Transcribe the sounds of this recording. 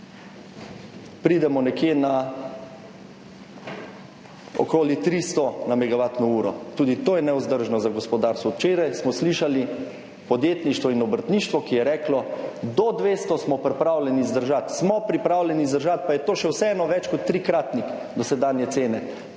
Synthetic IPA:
pɾiːd̪ɛmɔnɛkjena | ɔ̰kɔːlit̪ɾist̪ɔnamɛɡaʋat̪nɔuːɾɔ̰t̪uːd̪it̪oːjɛnɛuzd̪əɾʒnɔzaɡɔspɔd̪aɾst̪ʋɔwt͡ʃeːɾajsmɔsliːʃali | pɔd̪jeːt̪niʃt̪ʋɔinɔbəɾt̪niʃt̪ʋɔkijɛɾɛːklɔd̪ɔd̪ʋeːst̪ɔsmɔpɾɛpɾaːwlʲɛnizd̪əɾʒat̪smɔpɾipɾawlʲɛniːzd̪əɾʒat̪̚pajɛt̪oːʃɛwsɛɛːnɔʋɛt͡ʃkɔt̪ːɾikɾat̪nix | d̪ɔsɛd̪aːnjɛt̪seːnɛ

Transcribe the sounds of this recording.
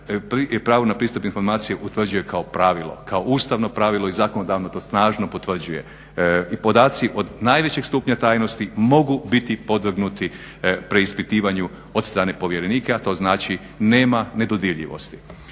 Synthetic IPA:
pɾipɾaːʋonapɾiːst̪upinfo̞ɾmaːt̪sijeʔut̪ʋr̩d͡ʑuje̞kao̞pɾaːʋilˠo̞̰kao̞ʔuːst̪aʋno̞pɾaːʋilˠo̞izaːkonod̪aʋnot̪o̞ːst̪naːʒno̞po̞t̪ʋr̩d͡ʑuje̞̰ | ipo̞d̪aːt̪siʔo̞d̪naːjʋet͡ɕeɡst̪uːpɲat̪aːjno̞st̪imo̞ɡubit̪ipo̞d̪ʋr̩ɡnut̪i | pɾeispit̪iːʋaɲu | o̞d̪st̪ɾaːne̞po̞ʋje̞ɾe̞niːkeat̪o̞ːznaːt͡ʃi | ne̞ːmane̞d̪o̞d̪iʎḭʋo̞̰st̪i̥

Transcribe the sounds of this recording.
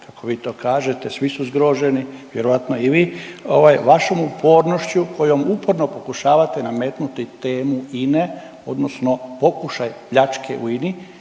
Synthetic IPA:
kʰako̞ʋiːt̪o̞ːkaːʒe̞t̪esʋisuzɡɾoʒeniʋjeɾoʋat̪noiʋiːo̰ʋajʋaʃomupʰo̞ːɾnoʃt͡ɕuko̞jo̞mupoɾnopo̞kuʃaːʋat̪e̞nameːt̪nut̪it̪eːmuine | o̞̰d̪nosno̞po̞kuʃajpʎat͡ʃkʰḛʔṵini

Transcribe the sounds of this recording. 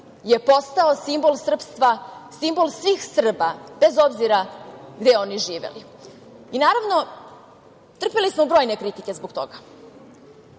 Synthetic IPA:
je̞po̞st̪aosimbo̞lˠsr̩pst̪ʋasimbo̞lˠsʋiːxsr̩bab̥e̞zo̞bziɾaɡd̪eo̞niʒiːʋḛli | inaːɾaʋno̞ | t̪r̩pelismobɾo̞ːjnekɾit̪ikʲe̞zboɡt̪o̞̰ɡa

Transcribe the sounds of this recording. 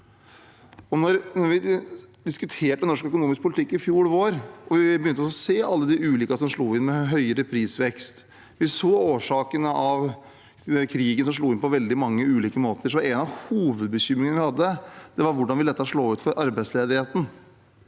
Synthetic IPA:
ɔnɔɾnɔɾʋɪd̪ɪskʉt̪ʰeːʈənɔʂkœkʊnuːmɪsk̚pʰʊlɪt̪ʰɪkːɪfjuːɭʋoːɾʔɔʋɪbəjʏnt̪əɔsɔseːʔɑlːəd̪ɪʉːliːkɑsɔmʂɭuːɪnmɛɦœʏəɾəpʰɾiːsʋɛkst̪ | ʋɪsoːoːʂɑːkənəʔɑʋ | kʰɾiːɡənsɔmʂ̬ɭuːɪnpɔʋɛld̪ɪmɑŋːəʉːliːkəmoːt̪əʂɔmʋɑɾɛnɑʋhuːʋəd̪̚bəçʏmɾɪŋənəʋɪhɑd̪ːəd̪̥ɛʋɑɾʋʊɖɑnʋɪlɛt̪ːəʂɭoːʉːt̪fɔɾʔɑɾbæɪsleːd̪ɪheːt̪n̩

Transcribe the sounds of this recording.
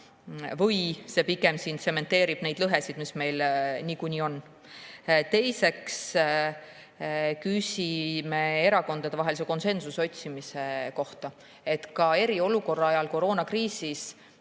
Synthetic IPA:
vɯjse̞piɡe̞msint̪se̞me̞nt̪ːe̞ːɾib̥ne̞jd̪lɤɦe̞sid̪̥misme̞jlniːkunʲio̞n | t̪e̞jse̞ks | kysʲime̞eɾɑko̞nd̪ɑd̪̥e̞vɑɦe̞lis̬e̞ko̞nse̞nsuso̞t̪ʲsimise̞ko̞ht̪ɑ | e̞t̪kɑe̞ɾio̞luko̞rːɑɑjɑlko̞ɾo̞ːnɑkriːsis

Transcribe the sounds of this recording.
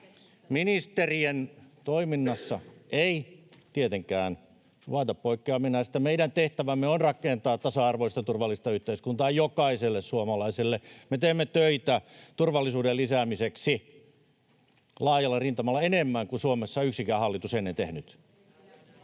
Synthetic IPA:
minist̪erient̪oiminːɑsːɑʔeit̪iet̪eŋkæːn | ʋuɑˑt̪ɑppoikːeɑminɑst̪ːɑmeiɾænt̪eht̪æʋæmːeonrɑkˑent̪ɑːtt̪ɑsɑɑrʋoist̪ɑt̪urʋɑlːist̪ɑyht̪eiskunt̪ɑːjjokɑiselːessuomɑlɑiselːemet̪eːmːet̪øit̪æt̪urʋɑlːisuːdelisæmiseksi | lɑːjɑlːɑrint̪ɑmɑlːɑenemːæŋkusuomesːɑyksikæːhɑlːit̪usenːent̪ehnyt̪

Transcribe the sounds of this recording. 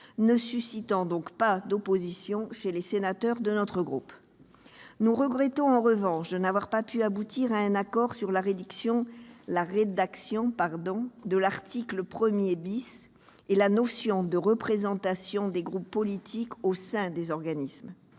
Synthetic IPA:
nəsysit̪ɑ̃d̪ɔ̃kpad̪ɔpozisjɔ̃ʃelesenat̪œʁd̪ənɔt̪χəɡʁup | nuʁəɡʁɛt̪ɔ̃ɑ̃ʁəvɑ̃ʃd̪ənavwaʁpapyabut̪iʁaɛ̃nakɔʁsyʁlaʁed̪yksjɔ̃laʁed̪aksjɔ̃paʁd̪ɔ̃d̪əlaʁt̪ikləpχəmjebis | elanɔsjɔ̃d̪əʁəpχezɑ̃t̪asjɔ̃d̪eɡʁupːɔlit̪ʰikosɛ̃d̪ezɔʁɡanism

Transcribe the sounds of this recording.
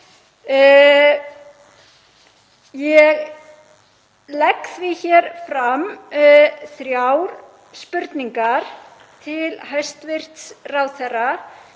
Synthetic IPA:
jɛɣ | lɛksvɪçɛːɾ̥fɾam | θɾjawɾ | spʏɾt̪niŋkaɾ̥ | t̪ʰɪlhœɥst̪vɪr̥t̪srawθɛra

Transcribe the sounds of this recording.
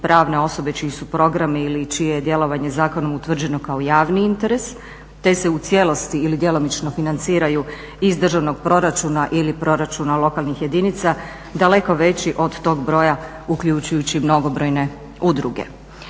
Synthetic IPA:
pɾaːʋne̞o̞so̞be̞t͡ʃiisupɾo̞ɡɾamiilit͡ʃijeje̞d̪je̞lˠo̞ʋaɲe̞zaːko̞nomut̪ʋr̩d͡ʑe̞no̞kaojaːʋniint̪e̞ɾe̞s | t̪e̞se̞ut̪sje̞lo̞st̪iilid̪je̞lˠo̞mit͡ʃno̞finant̪siːɾaju | izd̪r̩ʒaʋno̞ɡ̥̚pɾo̞ɾat͡ʃunaʔilipɾo̞ɾat͡ʃunalˠo̞kalˠnixje̞d̪init̪sa | d̪ale̞ko̞ʋe̞t͡ɕiʔo̞d̪t̪o̞ːɡbɾo̞ja | ukʎut͡ɕujut͡ɕimno̞ɡo̞bɾo̞jne̞ | ud̪ɾuɡe̞̰

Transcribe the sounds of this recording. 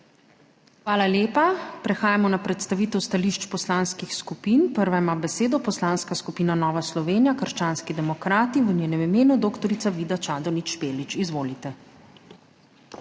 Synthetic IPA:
xʋaːlaljeːpapɾɛxaːjamɔnapɾɛt̪st̪aʋiːt̪ɛwst̪aliʃt͡ʃpɔslaːnskixskupiːnpəɾʋajmabɛseːd̪ɔpɔslaːnskaskupiːnanɔːʋaslɔʋeːnijakəɾʃt͡ʃaːnskid̪ɛmɔkɾaːt̪iʋənjeːnɛmimeːnud̪oːkt̪ɔɾit̪saʋid̪at͡ʃaːd̪ɔnit͡ʃːpeːlit͡ʃizʋoːlit̪ɛ

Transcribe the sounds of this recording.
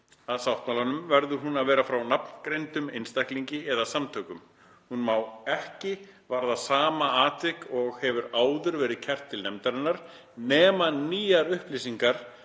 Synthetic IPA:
aðsawht̪malanʏmvɛɾðʏɦunaðvɛːɾafɾawnapn̥kɾejnt̪ʏmejnst̪ajhkliɲcɪɛðasamt̪ʰœːkʏm | hunmawɛhcɪvaɾðasaːmaaːt̪ɪkɔɣhɛvʏɾaːwðʏɾvɛːɾɪðcʰɛr̥t̪ʰːɪlnɛmt̪aɾɪnːaɾ̥ | nɛːmaniːjaɾʏhplɪsiŋkaɾ̥

